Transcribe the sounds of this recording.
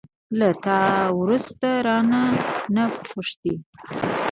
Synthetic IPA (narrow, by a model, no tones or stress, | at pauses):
lat̪ɑwɾust̪aɾɑnanapʊʂt̪i